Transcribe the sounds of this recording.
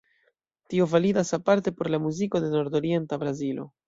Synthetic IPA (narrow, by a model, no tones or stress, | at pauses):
tio̞validasapaɾte̞po̞ɾlamuziko̞de̞no̞ɾdo̞ɾie̞ntabɾazilo̞̰